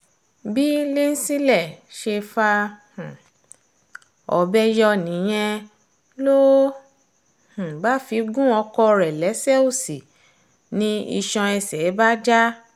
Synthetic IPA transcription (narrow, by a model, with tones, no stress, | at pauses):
bi˦le˦n̩˦si˦lɛ˦˨ʃe˧fa˧h̩˨ | ɔ̰˧˦bɛ˦jɔ˦nĩ˨˦j̃ɛ̃˧ | lo˦ | h̩˨ba˨˦fi˧˦ɡũ˦ɔ˧kɔ˧ɾɛ˨lɛ˨˦sɛ˦o˦˨si˨ | nĩ˧˦ḭ˧ʃɔ̃˧ɛ˧sɛ˨˦ba˦d͡ʒa˦